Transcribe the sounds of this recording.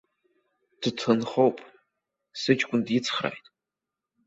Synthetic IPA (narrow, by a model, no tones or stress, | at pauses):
d̥ɨtʰɨnχowpʼ | sɨd͡ʒʼkʷʼʊndjɪt͡sʰχra̰jtʼ